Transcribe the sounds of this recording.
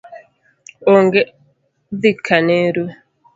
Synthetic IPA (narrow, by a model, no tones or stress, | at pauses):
oŋɡe | ðikʰaneɾwe